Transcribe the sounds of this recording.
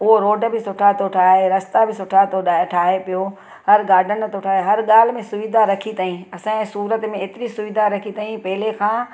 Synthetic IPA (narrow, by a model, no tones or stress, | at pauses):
ʊɦoɾoːɖbɪsʊʈʰat̪ʰoʈʰaːɦeɾɐst̪abɪsʊʈʰat̪ʰoɗaʈʰaːɦepijo | hɐɾɡaːɾɖʱənt̪ʰoʈʰaːɦeɦɐɾɠaːl̤mẽsʊʋid̪ʱaɾɐkʰit̪aːĩɐsãɛ̃ːsuːɾət̪mẽeːt̪ɪɾisʊʋɪd̪ʱaɾɐkʰit̪aːĩpɐɦɪlekʰãː